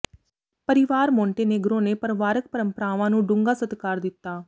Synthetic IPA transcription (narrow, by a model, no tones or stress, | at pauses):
pəɾɪʋaːɾmɔ̃ːɳʈeːneɡɾõːneːpəɾʋaːɾək̚pəɾəmpəɾaːʋãːnũːɖʊ̃ŋɡaːsət̪kaːɾd̪ɪt̪ːaː